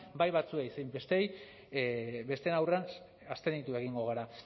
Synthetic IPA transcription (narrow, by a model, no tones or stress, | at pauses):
bajβat͡sueisajmbe̞st̪ej | be̞st̪e̞nawrean | ast̪e̞nit̪ue̞ɣiŋɡo̞ɣ̞aɾa